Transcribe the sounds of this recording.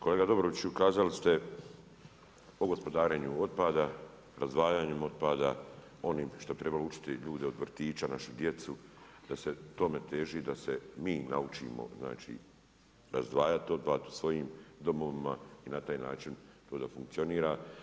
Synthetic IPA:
ko̞leːɡad̪o̞bɾoʋit͡ɕukaːzalist̪e̞ | oɡo̞spo̞d̪aːɾeːɲuo̞d̪t̪̚paːd̪a | ɾazd̪ʋaːjaːɲemo̞d̪̚paːd̪a | o̞niːmʃt̪oit̪ɾe̞balout͡ʃi̥t̪iʎuːd̪eod̪ʋr̩t̪iːt͡ʃanaʃud̪je̞t̪su | d̪̥ase̞t̪o̞me̞t̪e̞ːʒiːd̪ase̞miːnaut͡ʃḭːmo̞̰zna̰ːt͡ʃḭː | ɾazd̪ʋaːjat̪io̞t̪̚paːt̪u̥sʋo̞jiːmd̪o̞mo̞ʋimainat̪aːjna̰ːt͡ʃint̪o̞ːd̪afuŋkt̪sio̞niːɾa

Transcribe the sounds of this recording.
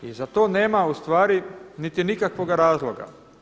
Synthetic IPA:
izat̪o̞ːne̞ːmaust̪ʋaːɾinit̪inikakʋoɡaɾaːzlˠoɡa̰

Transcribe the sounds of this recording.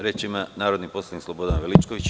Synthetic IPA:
ɾjet͡ʃimanaːɾo̞d̪nipo̞slˠanikslˠobod̪anʋelit͡ʃkoʋit͡ɕ

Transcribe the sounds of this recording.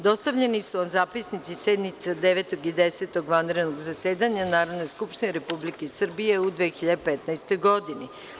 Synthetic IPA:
d̪o̞st̪aʋʎenisuonzaːpisnit̪sised̪nit̪sad̪eʋet̪oɡid̪ese̞t̪o̞ɡʋanɾed̪noɡzaseːd̪aɲanaːɾod̪no̞jskupʃt̪ineɾepublikesr̩bije̞ud̪ʋexiʎad̪epet̪najst̪o̞jɡo̞d̪ini

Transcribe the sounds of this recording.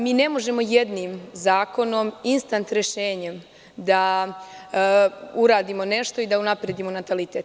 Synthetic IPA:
miːne̞mo̞ʒe̞mo̞jed̪niːmzaːko̞no̞minst̪ant̪ɾe̞ʃeːɲem | d̪a | uɾaːd̪imo̞ne̞ʃt̪o̞id̪aunapɾeːd̪imo̞nat̪alit̪e̞t̪

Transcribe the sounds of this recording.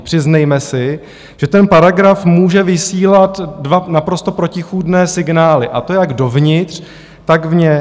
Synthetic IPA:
pr̝̥ɪznɛjmɛsɪ | ʒ̥ɛt̪ɛnpaɾaɡɾafmuːʒɛvɪsiːlat̪dvanapɾo̞st̪o̞pɾo̞cɪxuːdnɛːsɪɡnaːlɪʔat̪o̞jaɡdo̞vɲɪt̪r̝̥ | t̪aɡvɲɛ

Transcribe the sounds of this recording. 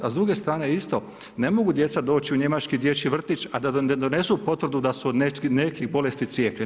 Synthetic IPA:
azd̪ɾuːɡe̞st̪ɾaːne̞ist̪o̞ | ne̞mo̞ɡud̪je̞t̪sad̪o̞ːt͡ɕiuɲe̞mat͡ʃkid̪je̞t͡ɕiʋr̩t̪it͡ʃad̪ad̪one̞supo̞t̪ʋr̩d̪ud̪asunenekibo̞le̞st̪it̪sjeːpʎe

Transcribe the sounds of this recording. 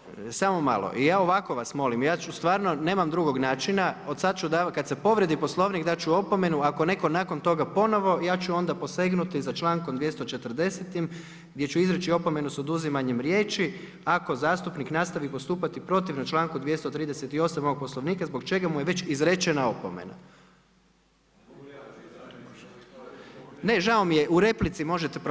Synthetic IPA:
samo̞ma̰lo̰ʔijaːo̞ʋako̞ʋasmo̞limjaːt͡ʃust̪ʋaːɾno̞ne̞ːmamd̪ɾuɡo̞ɡnaːt͡ʃinaod̪sad̪t͡ʃud̪akad̪se̞po̞ʋɾe̞d̪ipo̞slˠo̞ʋniɡd̪at͡ʃuo̞pome̞nuakone̞ko̞naːko̞nt̪o̞ɡapo̞no̞ʋo̞jaːt͡ʃuo̞nd̪apo̞se̞ɡnut̪izat͡ʃlˠaːŋkod̪ʋje̞st̪o̞t͡ʃe̞t̪ər̩d̪e̞set̪im | ɡd̪ʲje̞t͡ʃuizɾet͡ʃio̞pome̞nuso̞d̪uzimaɲemɾjeːt͡ʃi | ako̞zaːst̪upniknast̪aʋipo̞st̪uːpat̪ipɾo̞t̪iʋnat͡ʃlˠaːŋkud̪ʋje̞st̪ot̪ɾiːd̪eset̪io̞samoo̥poslˠo̞ʋniːkazboɡt͡ʃe̞ɡamuje̞ʋe̞t͡ʃizɾet͡ʃenaopomḛna̰ | ne̞ʒaomijeʔuɾe̞plit̪simo̞ʒet̪ep

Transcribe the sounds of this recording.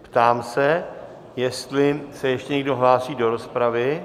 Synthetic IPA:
pt̪aːmsɛ | jɛst̪lɪsɛjɛʃcɛɲɛɡdo̞ɦlaːsiːdo̞ɾo̞spɾavɪ

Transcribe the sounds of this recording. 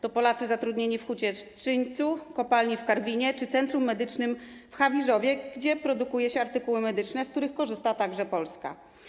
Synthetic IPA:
t̪ɔpɔlat̪sɘzat̪ɾud̪ɲeɲifxut͡ɕɛʂɘɲt̪sukɔpalɲifkaɾvʲiɲɛt͡ʂɘt̪sɛnt̪ɾumːɛd̪ɘt͡ʂnɘm | fxavʲiʐɔvʲjɛɡd͡ʑɛpɾɔd̪ukujɛɕɛaɾt̪ɘkuwɘmɛd̪ɘt͡ʂnɛsk̚t̪uɾɘxkɔʐɘst̪at̪aɡʐɛpɔlska̰

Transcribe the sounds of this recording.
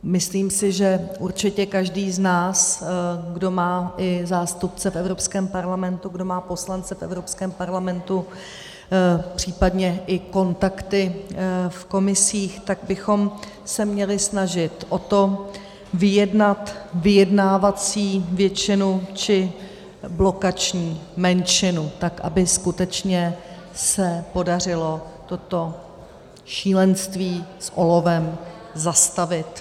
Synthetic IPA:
mɪsliːmsɪʒɛʔuɾt͡ʃɪcɛkaʒdiːznaːsɡdo̞maːʔɪzaːst̪up̚t͡sɛfɛvɾo̞pskɛːmpaɾlamɛnt̪uɡdo̞maːpo̞slant͡sɛfɛ̰vɾopskɛːmpaɾlamɛnt̪u | pr̝̥iːpadɲɛʔɪko̞nt̪akt̪ɪfko̞mɪsiːxt̪aɡ̚bɪxo̞m | sɛmɲɛlɪsnaʒɪt̪ʔo̞t̪o̞ | vɪjɛdnat̪vɪjɛdnaːvat͡siːvjɛt͡ʃɪnut͡ʃɪ | blo̞kat͡ʃɲiːmɛnʃɪnut̪akʔa̰bɪskut̪ɛt͡ʃɲɛ | sɛpo̞dar̝ɪlo̞t̪o̞t̪o̞ | ʃiːlɛnst̪viːsʔo̞lo̞vɛm | zast̪avɪt̪

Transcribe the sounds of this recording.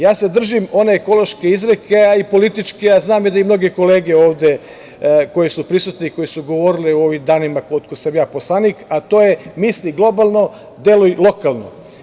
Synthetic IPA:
jaːse̞d̪r̩ʒimo̞neːko̞lo̞ʃke̞izɾekeaipo̞lit̪it͡ʃkeaznaːmjid̪aimno̞ɡe̞ko̞le̞ːɡe̞o̞ːʋd̪e | ko̞jesupɾisut̪neiko̞jesuɡo̞ʋo̞ɾileuo̞ʋimd̪aːnimakot̪kosamjaːposlˠaniːkat̪o̞ːjemisliɡlˠo̞balˠno̞ | d̪jelujlˠo̞kalˠno̰

